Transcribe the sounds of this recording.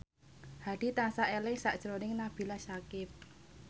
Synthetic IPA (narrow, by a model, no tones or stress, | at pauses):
had̥i̤t̪asaʔelɪŋsaʔd̥ʒ̥əɾonɪŋnab̥i̤lasakɪp̚